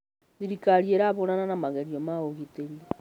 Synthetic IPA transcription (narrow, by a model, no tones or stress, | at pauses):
ðiɾikaɾijeɾaβonananamaɣeɾiomaoɣiteɾi